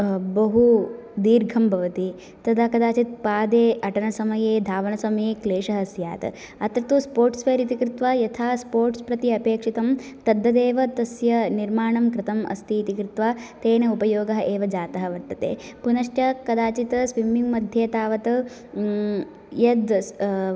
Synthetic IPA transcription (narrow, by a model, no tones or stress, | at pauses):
bɐɦud̪iːɾɡʱɐmbʱɐʋɐt̪i | t̪ɐd̪ɐkɐd̪aːt͡ʃit̪̚paːd̪eːʔɐʈɐnɐsɐmɐjeːd̪ʱaːʋɐnɐsɐmɐjeːkleːʂɐɦɐsja̰ːt̪ | ɐt̪ɾɐt̪uspoːɾʈspʰeːɾit̪ikɾɪt̪ʋaːjɐt̪ʰaːspoːɾʈspɾɐt̪iɐpeːkʂit̪ɐmt̪ɐd̪ːɐd̪eːʋɐt̪ɐsjɐniɾmaːɳɐmkɾɪt̪ɐmɐ̰st̪iːt̪ikɾɪt̪ʋaːt̪eːnɐupɐjoːɡɐɦɐʔeːʋɐd͡ʒaːt̪ɐɦɐʋɐɾt̪ɐt̪ḛː | punɐʂʈjɐkɐd̪aːt͡ʃit̪sʋimiŋɡmɐd̪ʱjeːt̪aːʋɐt̪ɐ | jɐd̪